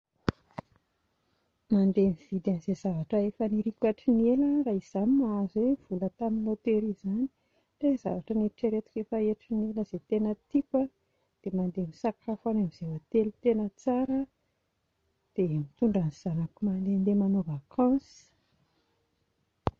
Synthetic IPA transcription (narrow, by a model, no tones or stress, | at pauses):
mand̪eniv̥id̪anizezavaʈ͡ʂəefəniɾikʲaʈ͡ʂinieləraiz̥animazwev̥ulət̪aminot̪eɾizani̥ | reza̰vaʈ͡ʂəneɾiʈ͡ʂəɾet̪u̥kʲefəeʈ͡ʂineləzet̪enət̪ikə | d̪̥emand̪emisakʰafanamizevat̪elit̪enət͡saɾə | d̪̥emit̪uɳɖ͡ʐaniz̥anəkumand̪end̪emanovakʰɑ̃s